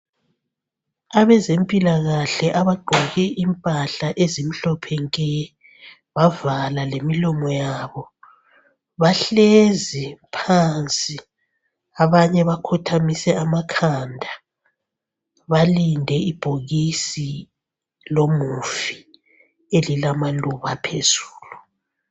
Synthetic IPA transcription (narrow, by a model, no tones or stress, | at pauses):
aβɛzempʼilaɣaɬɛʔaβaɡ͡ǃʱɔɣɛʔimpʼaɬaʔezimiɬɔpʰɛŋkʼɛ | βavalalemilɔmɔjaːβɔ | βaɬezipʰant͡sʼi | aβaɲɛβakʰutʰamisɛamakʰandʱa | βalindʱɛib̥ʱoɣisi | lomufi | elilamaluβapʰez̥uːlu